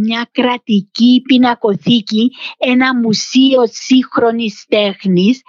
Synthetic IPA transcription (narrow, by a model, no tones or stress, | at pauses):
ɲɐkɾɐt̪icipinɐko̞θicienɐmusio̞sixɾo̞nist̪exnis